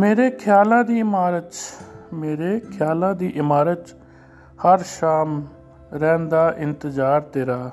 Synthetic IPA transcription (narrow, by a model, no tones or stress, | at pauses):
meːɾeːkʰɪjaːlãːd̪iːɪmaːɾət̪meːɾeːkʰɪjaːlãːd̪iːʔɪmaːɾət̪ | həɾʃaːm | ɾɛ̃ːnd̪aːʔɪnt̪əzaːɾt̪eːɾaː